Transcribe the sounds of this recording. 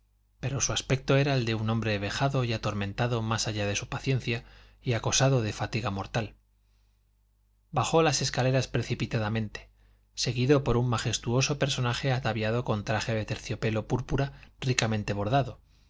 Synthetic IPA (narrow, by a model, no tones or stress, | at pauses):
pe̞ɾo̞suaspe̞k̚t̪oe̞ɾaeld̪e̞unõ̞mbɾe̞βe̞xaðo̞jat̪o̞ɾmẽ̞nt̪aðo̞masaʝaðe̞supaθje̞n̟θjaiako̞saðo̞ð̞e̞fat̪iɣamo̞ɾt̪al | baxo̞lase̞skale̞ɾaspɾe̞θipit̪aðamẽ̞nt̪e̥ | se̞ɣiðo̞po̞ɾumːaxe̞st̪uo̞so̞pe̞ɾso̞naxe̞at̪aβjaðo̞ko̞nt̪ɾaxe̞ðe̞t̪e̞ɾθjo̞pe̞lo̞puɾpuɾarikame̞nt̪e̞β̞o̞ɾðaðo̞